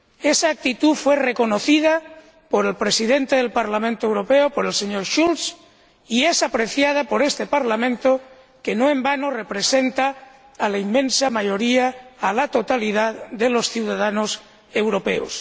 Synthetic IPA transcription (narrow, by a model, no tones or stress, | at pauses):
e̞saːk̚t̪it̪ufwe̞re̞ko̞no̞θið̞a | po̞ɾe̞lpɾe̞siðe̞nt̪eð̞e̞lpaɾlamẽnt̪oe̞wɾo̞peopo̞ɾe̞lseɲoɾʃuls | ie̞sapɾe̞θjað̞apo̞ɾe̞st̪e̞paɾlamẽ̞nt̪o | kenoẽmbanore̞pɾe̞sent̪aː | laimːẽ̞nsamaʝoɾiaːlat̪o̞t̪alið̞aððe̞lo̞sθjuwð̞aðanos | e̞wɾo̞pe̞̰o̰s